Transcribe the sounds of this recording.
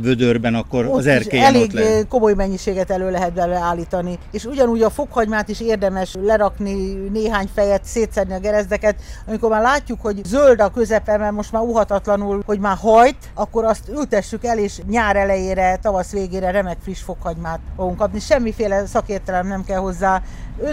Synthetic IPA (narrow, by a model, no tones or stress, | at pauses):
vød̪ørbɛnɒkːorzɛrʃeɛleːɡko̞mo̞jmɛɲːiʃeːɡɛt̪ɛløːlɛɦɛt̪̚bɛlɛaːlːiːt̪ɒnieːʃuɟɒnuːɟɒfokhɒɲmaːt̪iʃeːrd̪ɛmɛʃlɛɾɒknineːɦaːɲfɛjɛt̪seːt̪sɛrniɒɡɛɾɛzd̪ɛkɛt̪ɒmiko̞rmaːɾlaːcːukho̞ɟzøld̪ɒkø̞zɛpɛmɛrmo̞ʃt̪maːɾuɦɒt̪ɒt̪lɒnulho̞ɟmaːɦɒjt̪ɒkːoɾɒst̪ylt̪ɛʃːykɛleːʃɲaːɾɛlɛjeːɾɛt̪ɒvɒsʋeːɡeːɾɛɾɛmɛkfriʃfo̞khɒɲmaːt̪foɡuŋkɒpniʃɛmːifeːlɛsɒkeːrt̪ɛlɛmnɛmkɛlho̞zːaː | ø